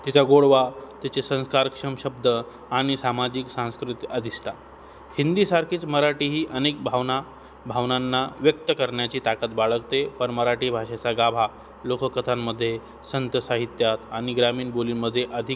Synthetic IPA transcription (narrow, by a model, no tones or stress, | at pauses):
t̪it͡saɡoɽʋat̪jat͡sesə̃ñskaɾkʂəmɕəb̚d̪ə | aɽ̃isamad͡ʑiksãñskɾut̪iad̪ʱisʈ̪a | hind̪iːsaɾkʰiːt͡sməɾaʈiːɦiːʔənek̚bʱaʋna | bʱaʋnanːaʋjək̚t̪əkəɾɳjat͡ɕiːt̪akat̪baɭəɡt̪epəɳməɾaʈiːbʱaʂet͡saɡabʱa | lokəkət̪ʰamːəd̪ʱːje | sənt̪əsaɦit̪jat̪aɽ̃iɡɾamiːɳboliːnməd̪ʱːjeʔəd̪ʱik